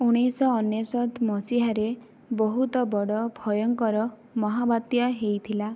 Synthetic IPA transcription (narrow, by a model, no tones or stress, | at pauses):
uɽ̃ijsɔːnjɔsɔt̪mɔsiɦaɾe | bɔɦut̪ɔbɔɽɔbʱɔjɔŋkɔɾɔ | mɔɦabat̪jɔɦejt̪ʰila